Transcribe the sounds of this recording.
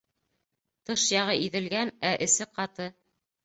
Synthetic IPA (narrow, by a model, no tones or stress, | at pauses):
t̪ɤʃjɑʁɤʔiðɘ̆lɡænæʔɘ̆sɘqɑt̪ɤ